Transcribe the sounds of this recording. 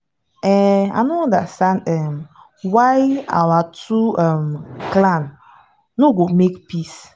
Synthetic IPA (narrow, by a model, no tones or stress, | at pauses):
ɛa̰noɔ̃ndastãndɛm | waja̰watʰuɛmklan | noɡomekpis